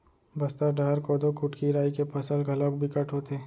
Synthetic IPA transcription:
bɐst̪aɖɐɾkɔːd̪okʊʈkiɾaːikepɐsəlɡʱɐlɔ̃ːkbʱikɐʈʰɦoːt̪eː

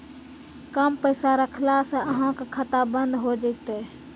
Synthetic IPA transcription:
kəmpəɪsaɾəkʰlasə̃əɦãkkʰət̪abənd̪ʱɦod͡ʒəɪt̪e

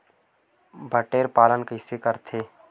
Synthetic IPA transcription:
bʱəʈeːɾpaːlənkəɪsekəɾt̪ʰeː

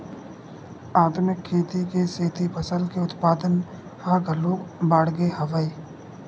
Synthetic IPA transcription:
aːd̪ʊnɪkʰːeːt̪ikeseːt̪ʰipəsəld̪keʊt̪paːd̪ən | haɡəloːɡbaːɽɡehɐʋaiː

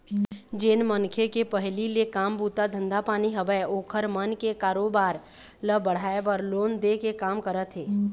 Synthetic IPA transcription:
d͡ʒeːnmənkʰekepəɦlilekaːmbuːt̪ad̪ʱə̃nd̪apaːniɦəʋɛoːkʰəɾmənkekaːɾoːbaːɾ | ləbəɽ̤aːebəɾloːnd̪ekekaːmkəɾət̪ɦeː

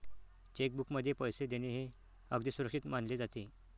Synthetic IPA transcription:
t͡ɕek̚bukməd̪ʱːjepəjsed̪eneɦe | əɡd̪iːsuɾəkʂit̪manled͡zat̪e

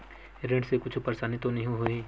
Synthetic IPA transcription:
ɾẽːɖsekʊt͡ʃʰʊpəɾsaːnit̪onɐɦũɦoiː

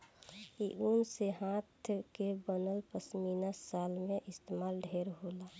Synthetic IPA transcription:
iʔunseɦãːt̪ʰkebənəlpəsmiːnasaːlmẽʔɪst̪emaːlɖʱeɾɦoːla

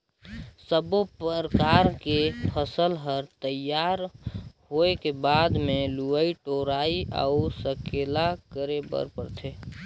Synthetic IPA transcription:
səbopəɾəkaɾkepʰəsəlɦəɾt̪əjaɾɦoekebaːd̪meluəiʈoɾaiʔa̰usəkelakəɾebə̰ɾpəɾt̪ʰe

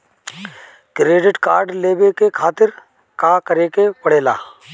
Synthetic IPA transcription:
kɾeːɖɪʈka̰ːɾɖleːbekekʰaːt̪ɪɾ | kaːkəɾeːkepɐɽeːla̰ː

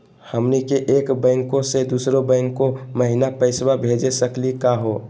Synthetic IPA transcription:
həmnikeʔeːkbɛ̃ɪŋkõsed̪uːsɾobɛ̃ŋkːoməɦinapəɪswabʱeːd͡ʒesəklikaɦoː

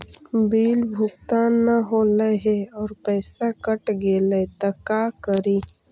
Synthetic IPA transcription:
biːlbʱʊk̚t̪anəɦoːləɦeɔːɾpɛːsakəʈɡeːlet̪ɐkaːkəɾiː

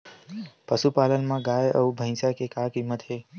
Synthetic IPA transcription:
pəsupaːlənmãɡaːjə̰ubʱə̃ɪ̃sakekakimːət̪ɦeː

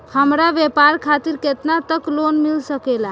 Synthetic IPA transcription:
həmɾaʋepaɾkʰat̪iɾket̪nat̪əklonmilsəkela

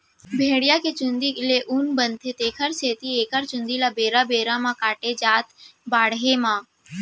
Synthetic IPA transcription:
bʱeːɽijaket͡ʃʊ̃nd̪ileʔʊnbənt̪ʰet̪eːkʰəɾseːt̪ieːkəɾt͡ʃʊ̃nd̪ilabeːɾabeːɾamãkaːʈed͡ʒaːt̪baːɽɦemãː

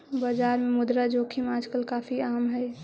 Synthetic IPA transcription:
baːd͡ʒaːɾmemʊd̪ɾad͡ʒoːkʰimaːd͡ʒkəlkaːfʰiaːmɦɛ

